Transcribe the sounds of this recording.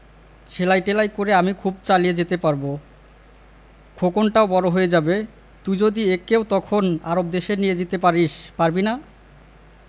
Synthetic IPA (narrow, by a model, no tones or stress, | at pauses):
ʃelajʈelajkoɾeamikʰubt͡ɕalied͡ʑet̪epaɾbo | kʰokonʈaobɔɾoɦojed͡ʑabe | t̪ujd͡ʑod̪iekeot̪ɔkʰonaɾob̚d̪eʃenijed͡ʑit̪epaɾiʃpaɾbina